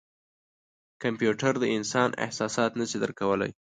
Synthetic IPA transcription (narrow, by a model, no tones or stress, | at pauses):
kampjuʈaɾd̪əɪnsɑnɪ̰hsɑsɑt̪nəsid̪əɾkawəla̰j